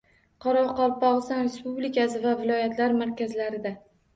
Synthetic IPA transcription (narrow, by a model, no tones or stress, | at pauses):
qʰɒɾɒqɒlˠpɒʁɨsanɾe̞spublikʲasɪvavɪlɒjat̪ʰlaɾmaɾkʲʰazlaɾɪd̪a